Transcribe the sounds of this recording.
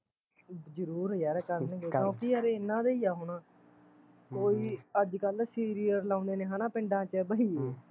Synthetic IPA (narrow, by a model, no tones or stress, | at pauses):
d͡ʒəɾuːɾaːɾeːkəɾnẽːɡoːõːkiːəːɾeːɪnːãːd̪eːiːaːɦonaː | koːiːəd͡ʒkəlsiːɾijəɾlãːnd̪eːnẽːɦãːnaːpɪ̃ɳɖãːt͡ʃəbaːiː